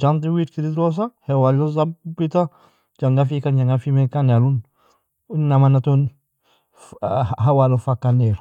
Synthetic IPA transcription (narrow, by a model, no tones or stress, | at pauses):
d͡ʒantiwitkiɾidɾos̬ahewalozabita | d͡ʒaŋɡafikand͡ʒaŋɡafimekanalun | namanaton | ɦawalofakːaneɾ